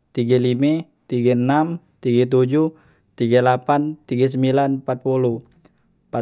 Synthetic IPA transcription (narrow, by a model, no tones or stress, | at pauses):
t̪iɡalimɛ | t̪iɡanam | t̪iɡɛt̪̬ud͡ʒu | t̪iɡalapant̪iɡas̬əmbilanpat̪̚pulu | pa